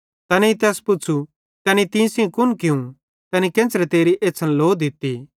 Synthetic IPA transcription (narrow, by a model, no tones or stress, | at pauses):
t̪ɛːneit̪ɛːspʊt͡ʃʰu | t̪ɛːnit̪ĩsĩkʊnkɪũ | t̪ɛːnikẽːt͡ʃɾɛt̪eːɾiʔeːsʰɐnloːd̪ɪt̪ːi